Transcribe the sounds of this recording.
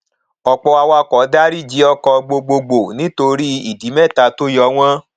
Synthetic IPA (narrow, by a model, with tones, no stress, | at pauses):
ɔ˨k͡pɔ˧a˧wa˧kɔ˨˦da˦ɾi˦˨d͡ʒi˨˦ɔ˦kɔ˧ɡ͡bo˧ɡ͡bo˧ɡ͡bo˨nĩ˨˦to˧ɾi˦i˦˨di˨˦mɛ˦˨ta˧to˦jɔ˧˦w̃ã˦